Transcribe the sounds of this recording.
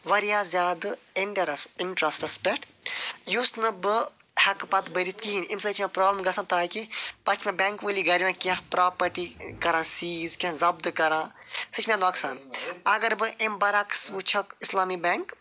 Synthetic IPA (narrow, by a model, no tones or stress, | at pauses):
ʋɐɾijaːzʲjaːd̪ɨ | inʈɐɾɐsinʈɾɐsʈɐspeʈʰjusnɨbɨ | hɐkpɐt̪bɐɾit̪kiɦinimsɐt͡ʃʰmãpɾoːbləmɡɐsʰãt̪aːkipɐt͡ʃʰmẽbʲeːŋkʋɨliɡɐɾiʋãːkãɦpɾaːpɐʈikɐɾãːsiːzkʲãzɐbd̪ɨkɐɾãːsɨt͡ʃʰmẽnoːksa̰ːnɐɡɐɾbɨʔembɐɾaksʋut͡ʃʰɐkislaːmibeŋk